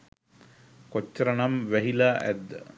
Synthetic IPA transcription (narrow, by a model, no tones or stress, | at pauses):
kot͡ʃːəɾənamʋæɦilaːʔæ̰d̪ːə̰